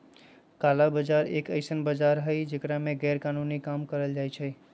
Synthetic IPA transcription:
kalabəd͡ʒaɾḛkə̰ɪsənbəd͡ʒaɾɦəɪd͡ʒekɾamẽɡɛɾkanunikamkəɾəld͡ʒajt͡ʃʰə

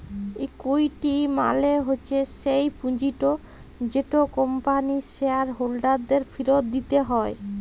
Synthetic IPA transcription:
ekujʈima̰leɦoːɕʰeʃejpũd͡ʑiʈo | d͡ʑeʈokompaniʃeaɾɦolɖaɾd̪eɾfiɾot̪d̪it̪eɦɔe

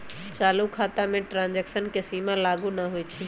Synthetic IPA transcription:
t͡ʃaːlukʰaːt̪amẽʈɾãːnd͡ʒeksənkesiːmãlaːɡũnaɦoet͡ʃʰi

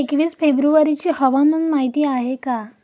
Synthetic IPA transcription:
ekʋiːsfebɾuaɾit͡ɕiːhəʋanunmaɦit̪iːaɦeka

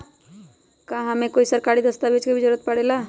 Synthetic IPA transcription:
kãɦəmẽkoːisəɾkaɾid̪əst̪abet͡ʃkebʱid͡ʒəɾət̪̚pəɽeːla

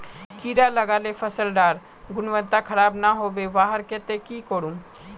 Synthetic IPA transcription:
kiːɾaləɡaːlefʰɐsəlɖaːɾ | ɡʊnʋə̃nt̪akʰɐɾaːbnaɦoːbeʋaːɦəɾket̪ekikoːɽũː

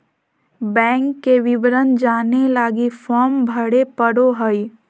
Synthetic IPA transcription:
bɛ̃ːŋkːeʋɪʋɾənd͡ʒaːnelaːɡifɔːɾmbʱəɽepəɽoɦəi

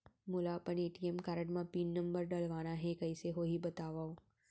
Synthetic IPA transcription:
mulapəɳeːʈiemkaɾəʈmãpiːnːəmbəɾɖəlʋañaɦekəiseɦoɦibət̪aʋao

